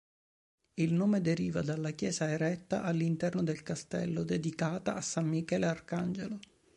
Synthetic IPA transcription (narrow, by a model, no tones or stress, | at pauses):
ilnoːmed̪eɾiːvad̪alːakjɛːsaeɾɛt̪ːa̰ʔalːint̪ɛrnod̪elkast̪ɛ̰lːod̪ed̪ikaːt̪aʔasːamːikɛːlearkand͡ʒelo